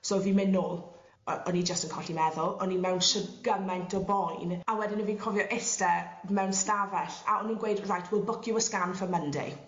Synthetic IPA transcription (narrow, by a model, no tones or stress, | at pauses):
soːviːmɪnːʊlˠ | ɔnid͡ʒəstənkʰɔɬimɛðʊlˠɔnimɛwnʃəɡ̥əmɛntʰɔbɔjnawɛdɪnəviːnkʰɔvjɔʔɪstɛmɛwnstavɛɬa̰ʔɔninɡwejdrajtʰwɪlˠbʊkʰjʊəskamfəməndḭ